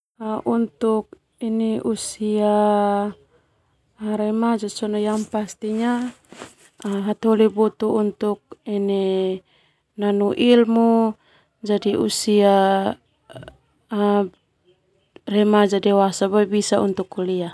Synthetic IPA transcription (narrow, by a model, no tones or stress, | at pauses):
aʔunt̪uk̚ | iniʔusia | ɾɛmad͡ʒɔsɔnɔjaŋpast̪iɲa | ɦat̪olibɔt̪uːnt̪uk̚inɛ | nanuʔilmu | d͡ʒadiṵsia | rɛmad͡ʒadɛwasabaibisaṵnt̪ukulia